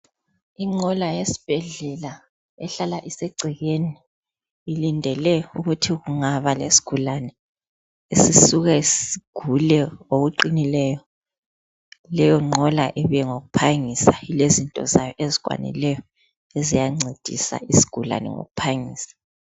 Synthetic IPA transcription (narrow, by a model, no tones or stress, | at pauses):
iŋ͡ǀʱɔlajesi̥b̥ʱɛɮɛla | ɛɬalaʔisɛɡ͡ǀʱiɣeniː | lindʱɛlɛuɣutʰiɣuŋaβalesi̥ɡ̥ʱulanɛ | esisuɣaisiɡ̥ʱulɛoɣuǃinilɛjɔ | lɛjɔŋ͡ǃʱɔla̰ʔɛβijɛŋoɣupʰaŋisailezintʼɔ̰zajɔʔezi̥wa̰nḭlɛjɔ | ezijaŋ͡ǀʱed̥ʱḭsa̰isi̥ɡ̥ʱula̰nɛ̰ŋo̰ɣupʰaŋiːsḁ